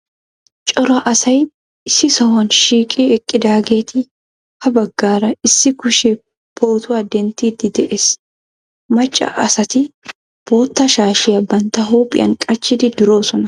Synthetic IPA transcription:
t͡ʃʼɔɾɐʔɐsɐj | ɪsɪsɐwɐnʃiːkʼiɛkʼːɪd̪aːɡeːt̪ɪ | hɐbɐɡːaːɾɐɪsːɪkʊʃɛ | b̥oːt̪ʊɐd̪ːɛnt̪iːt̪ːɪd̪ɛʔes | mɐt͡ʃʼːɐ̰ʔɐsɐt̪ɪ | b̥oːt̪ːɐʃaːʃɪɐbːɐnt̪ɐɦoːpʼɪ̰ɐ̰ŋkʼɐt͡ʃːɪd̪ɪd̪ɪɾo̞ːsɔnɐ

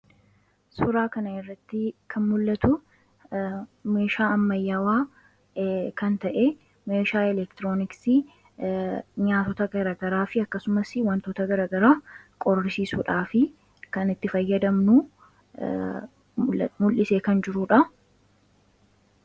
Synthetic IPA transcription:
sʊɾaːkɐnɐɪrːɐt̪ːɪkʰɐnmʊlːɐt̪ʊ | me̞ːʃaːɐmːɐjːawaː | kɐnt̪ɐʔe | me̞ːʃaːɛlɛkt̪ɪɾo̞ːnɪksi | ɲaːt̪ɔt̪ɐɡɐɾɐɡɐɾaːfɪɐkːɐsʊmɐsɪwɐnt̪oːt̪ɐɡɐɾɐɡɐɾaːkʼɔrːɪsiːsuːᶑaːfɪ | kɐnɪt̪ːɪfɐjːɐd̪ɐmnuː | mʊlʔɪseːkɐnd͡ʒɪɾuːᶑɐ

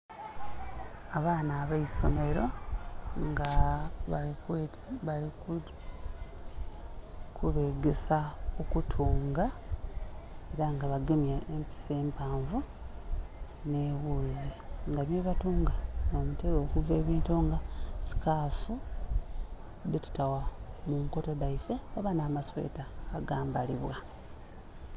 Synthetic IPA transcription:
aβaːnaːβaiso̞me̞ɾo̞ | ŋɡaβ | βaliku | kʰuβe̞ɡe̞saokutʰuːŋɡa | e̞ɾaŋɡaβaɡemjaempi̥se̞ːmpaːɱvu | ne̞ːβuːziŋɡaβjeβatuːŋɡanoːmutelo̞ːkuve̞ːβiːntuŋɡasi̥kaːfu | detu̥tawa | muŋko̞todaife̞aβanaːmaswe̞̰ːtaːɡaːmbaliβwa

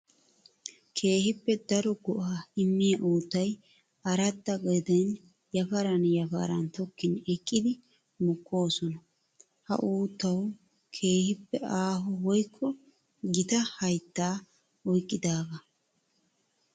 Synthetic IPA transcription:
kʰe̞ːhɪpːɛd̪ɐɾɔɡɔʔaːɪmːɪjɐʔuːt̪ːɐj | ɐɾɐt̪ːɐɡʼɐd̪ɐn | jɐfɐɾɐnjɐfɐ̰ɾɐ̰nt̪ɔkːɪnɛkʼːɪd̪ɪ | mʊkʰːo̞ːsɔnɐ | hɐ̰ʔuːt̪ːɐw | kʰe̞ːhɪpːɛaːɦɔwɔjkʰːɔ | ɡɪt̪ɐhɐjt̪ːaː | ɔjkʼːɪd̪aːɡɐ

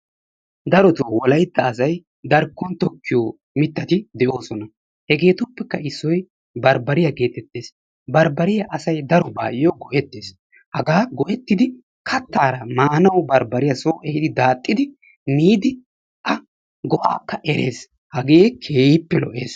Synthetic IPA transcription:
d̪ɐɾɔt̪oːwɔlɐjt̪ːɐːsɐj | d̪ɐɾkːɔnt̪ɔkːɪjoː | mɪt̪ːɐt̪ɪd̪ɛʔo̞ːsɔnɐ | hɛɡe̞ːt̪ʊpːɛkːɐɪsːɔj | bɐɾbɐɾɪjɐɡe̞ːt̪ɛt̪ːeːs | bɐɾbɐɾɪjɐʔɐsɐjd̪ɐɾɔba̰ːjɪjoɡɔʔɛt̪ːeːs | hɐɡaːɡɔʔɛt̪ːɪd̪ɪ | kʰɐt̪ːaːɾɐmaːnɐwbɐɾbɐɾɪjɐsoːʔɛhɪd̪ɪd̪aːt̪ʼːɪd̪ɪ | miːd̪ɪ | ʔɐ | ɡɔʔa̰ːkːɐʔɛɾe̞̰ːs | hɐɡe̞ːkʰeːjɪpːɛlɔ̰ʔeːs

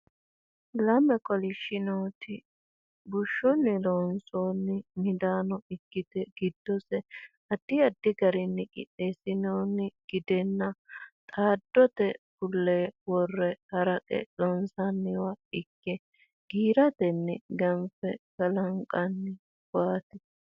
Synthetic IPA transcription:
lɐmɛkɔlɪʃɪnoːt̪ɪ | bʊʃːɔnːɪloːnsoːnːɪmɪd̪aːnɔɪɡːɪt̪ɛɡ̥ɪd̪ːɔsɛ | ɐd̪̥ːɪɐd̪ːɪɡɐɾɪnːɪkʼɪ̰ɗːesɪnoːnːɪɡ̥ɪd̪ɛnːɐt̪ʼaːd̪ːɔt̪ɛkʊlːeːwɔrːɛhɐɾɐkʼɛ̰lɔnsɐnːɪwɐɪkːɛ | ɡ̥iːɾɐt̪ɛnːɪɡɐmfɛɡɐlɐŋkʼːɐnːɪ | waːt̪ɛ

